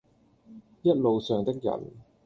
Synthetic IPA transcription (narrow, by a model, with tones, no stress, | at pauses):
jɐ˥t̚lo˨wsœː˨˧ŋt̪ɪ˥k̚jɐ̰˨˩n